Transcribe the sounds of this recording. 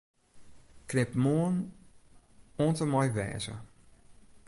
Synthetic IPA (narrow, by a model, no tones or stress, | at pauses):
krɪpmoən | oːntəmɔjʋɛ̰ːzə̰